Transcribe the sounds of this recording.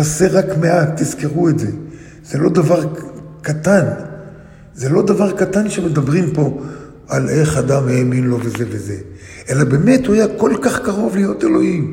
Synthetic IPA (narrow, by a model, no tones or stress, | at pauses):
aseʁakme̞atːizkeʁuetze̞ | z̥elo̞d̪avaʁkat̪an | zelo̞d̪avaʁkat̪anʃeme̞d̪abʁimpo̞ | ale̞χad̪amheːminlo̞veze̞veze̞ | e̞labe̞me̞thuajako̞lkaχkaʁo̞vlijo̞t̪e̞lo̞im